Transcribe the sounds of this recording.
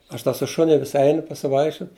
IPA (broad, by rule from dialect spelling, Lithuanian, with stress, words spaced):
ˈɐʃ tʲɛ sʊ ˈʃʊnʲɪ ʋʲɪs ˈɛɪnʊ pɐsʲɪˈʋɐɪkʃʲt͡ʃʲʊt